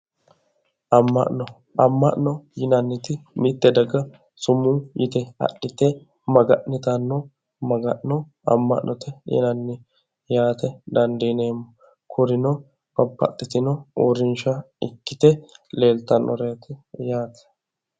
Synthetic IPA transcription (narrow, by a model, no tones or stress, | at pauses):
ʔɐmːɐ̰ʔnɔ | ɐmːɐʔnɔjɪnɐnːɪt̪ɪmɪt̪ːɛd̪ɐɡɐ | sʊmːʊjɪ̰t̪ɛɐ̰ɗːɪt̪ɛ | mɐɡɐʔnɪt̪ɐnːɔ | mɐɡɐʔnɔ | ɐ̰mːɐ̰ʔnʔɔt̪ɛjɪ̰nɐnːɪ | jaːt̪ɛd̪ɐnd̪eneːmːɔ | kʰʊɾɪnɔ | pɐpːɐ̰tːɪt̪ɪnɔoɾɪnʃɐ | ɪkːɪt̪ɛle̞ːlt̪ɐnʔɔ̰ɾet̪ɪjaːt̪ɛ̥